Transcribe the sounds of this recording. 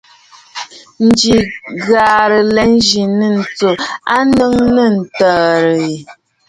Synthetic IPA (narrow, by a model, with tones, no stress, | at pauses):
n̩˨d͡ʒi˨ɣaː˨ɾə˨lɛ˨˦n˦d͡ʒi˨nə˦˨n̩˨t͡so˨a˦nə˦ŋnə˦˨n̩˨tɔː˨ɾə˨i˨